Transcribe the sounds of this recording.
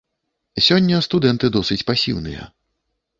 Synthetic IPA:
sʲɔnʲːɐst̪ud̪ɛnt̪ɨd̪ɔsɨt͡sʲpasʲḭwnɨ̰jɐ̰

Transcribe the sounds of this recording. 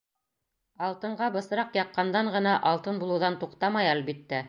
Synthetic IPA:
ɑlˠt̪ɤ̆ɴɢɑbɤ̆sɤ̆ɾɑqjɑqːɑnd̪ɑɴʁɤ̆nɑʔɑlˠt̪ɤnbulˠɤ̆wðɑnt̪uqt̪ɑmɑjælbit̪ːæ

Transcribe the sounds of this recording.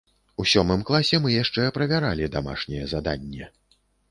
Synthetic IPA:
usʲɔmɨmklˠasʲɛmɨjaʂt͡ʂɛɐpɾɐvʲaɾalʲid̪ama̰ʂnʲɛjɛzad̪a̰nʲːɛ

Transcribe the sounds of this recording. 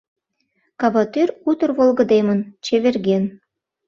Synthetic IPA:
kɑbɑt̪øɾut̪ɤ̆rβolˠɡɤ̆d̪emɤ̆nt͡ɕeβĕrɡʲen

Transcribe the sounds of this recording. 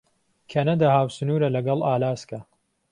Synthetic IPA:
kʰenɐd̪ɐhaːwsɨnuːɾɐlɐɡɐlˠaːlaːskɐ

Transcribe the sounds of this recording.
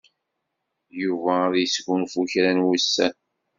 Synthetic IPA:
juvæðjəsɡunfuçɾænwisːæn

